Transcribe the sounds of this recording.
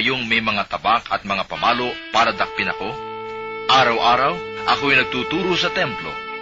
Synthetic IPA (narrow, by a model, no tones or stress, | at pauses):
joŋmɐjmɐŋat̪ɐbakɐt̪̚mɐŋapɐmaːlo̞ʔpaːɾɐd̪ɐk̚pɪnɐko̞ | ʔaːɾɐwʔaːɾɐwʔɐkoɐjnɐɡ̚t̪uːt̪uːɾosɐt̪ɛmplo̰